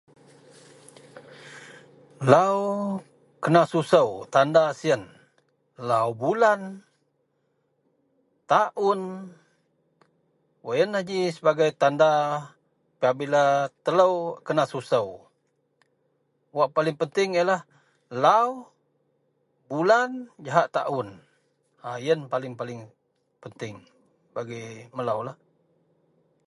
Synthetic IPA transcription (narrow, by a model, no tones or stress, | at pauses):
law | kənasusəwt̪andasiən | lawbulan | t̪aʔʊn | wəjənad͡ʒisəbaɡajt̪anda | piabilat̪ələwkənasusəw | waʔpalɪŋpənt̪ɪŋjəlah | law | buland͡ʒaɦaʔt̪a̰ʔʊn | ajənpalɪŋpalɪŋ | pənt̪ɪŋ | baɡiməlawlah